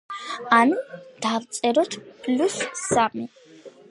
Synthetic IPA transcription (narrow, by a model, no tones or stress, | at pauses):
anud̪̥avt̪sʼɛɾɔt̪ʰpʼlusːami